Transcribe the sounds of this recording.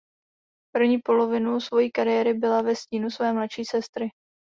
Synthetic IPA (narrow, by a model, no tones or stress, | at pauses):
pr̩vɲiːpo̞lo̞vɪnusvo̞jiːkaɾɪjɛɾɪbɪlavɛsciːnusvɛːmlatʃiːsɛst̪ɾɪ